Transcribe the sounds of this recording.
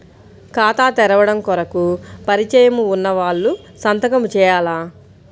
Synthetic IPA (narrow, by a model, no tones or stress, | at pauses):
kaːt̪aːt̪ɛɾɐʋɐɽɐmkɔɾɐkupɐɾit͡ʃɐjɐmuːnːɐʋaːɭːu | sɐnt̪ɐkɐmut͡ʃɛːjaːlaː